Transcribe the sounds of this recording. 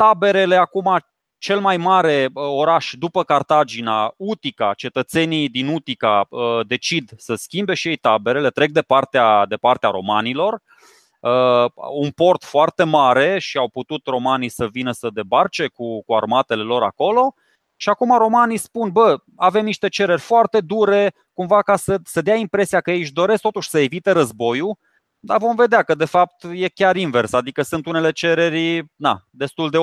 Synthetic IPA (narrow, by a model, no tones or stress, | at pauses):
t̪abe̞ɾe̞le̞akuma | t͡ʃe̞lmajmaɾe̞əo̞ɾaʃd̪upəkart̪ad͡ʒinaut̪ikat͡ʃe̞t̪ət̪se̞nid̪inut̪ikaəd̪e̞t͡ʃid̪səskʲimbe̞ʃiejt̪abe̞ɾele̞t̪ɾe̞k̚d̪e̞part̪ead̪e̞part̪eaɾo̞manilo̞r | əunpo̞rt̪foart̪e̞maɾe̞ʃiawput̪ut̪ro̞manisəvinəsəd̪e̞bart͡ʃe̞kukua̰rmat̪e̞le̞lo̞ɾa̰ko̞lo̞ | ʃiakumaɾo̞manispunbə | ave̞mniʃt̪e̞t͡ʃe̞ɾe̞rʲfoart̪e̞d̪uɾe̞ | kumvakasəsəd̪eaimpɾe̞siakəjejʃ̬d̪o̞ɾe̞sk̚t̪ot̪uʃʲsəevit̪eɾəzbo̞ju | d̪avo̞mve̞d̪eakəd̪e̞fap̚t̪je̞kʲaɾinve̞rsad̪ikəsɨnt̪une̞le̞t͡ʃe̞ɾe̞ɾʲna̰d̪e̞st̪uld̪e̞